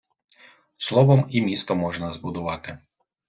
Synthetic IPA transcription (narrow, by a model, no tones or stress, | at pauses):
slˠɔʋɔmimʲist̪ɔmɔʒnɐzbʊd̪ʊʋɑt̪ɪ